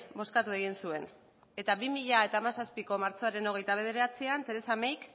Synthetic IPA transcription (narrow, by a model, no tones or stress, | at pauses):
bo̞skat̪ue̞ɣ̞insue̞n | e̞t̪aβimiʎae̞t̪aːmasaspiko̞maɾt͡so̞aɾe̞no̞ɣ̞e̞jt̪aβ̞e̞ð̞e̞ɾeɾat͡siant̪e̞ɾe̞samejk